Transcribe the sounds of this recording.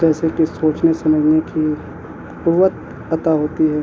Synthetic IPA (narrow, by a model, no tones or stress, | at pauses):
ɛːseʈisoːt͡ʃnesɐməd͡ʒʱneki | puʋət̪̚ | ɐt̪aɦoːt̪iɦɛː